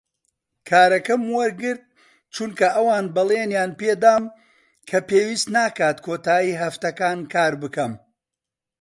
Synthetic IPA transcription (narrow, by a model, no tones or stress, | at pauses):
kʰaːɾɐkɐmwɐɾɡɨɾd̪̚ | t͡ʃunkɐʔɐwaːnbɐleːnjaːnpeːd̪aːm | kʰɐpeːwiːst̪naːkaːt̪kʰoːt̪aːjiːɦɐft̪ɐkaːnkʰaːɾbɨkɐm